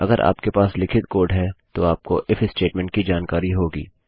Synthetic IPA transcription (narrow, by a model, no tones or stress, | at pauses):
ɐɡəɾʔa̰ːpkepaːslɪkʰɪt̪koːɾɖɦɛt̪oaːp̚koʔɪfʰɪsʈeːʈmɛ̃ːɳʈ̚kid͡ʒaːnkaːɾiɦoːɡḭː